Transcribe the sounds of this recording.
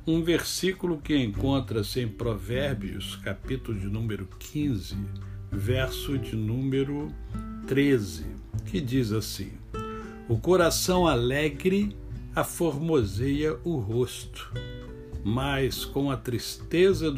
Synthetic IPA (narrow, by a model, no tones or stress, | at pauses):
ũveɾsikulʊkɪẽŋkõnt̪ɾɐsɪẽj̃pɾovɛɾbjʊ̰skapit̪ʊlʊd͡ʒɪnũmeɾʊkʰĩzɪvɛɾsʊd͡ʒɪnũmeɾʊt̪ɾezɪ̰ | kʰɪd͡ʒizasḭ̃ | ʊkoɾasɐ̃w̃alɛɡɾɪ | afoɾmozejɐʔʊɦost̪ʊ̥ | mɐjskõw̃ɐt̪ɾist̪ezɐd̪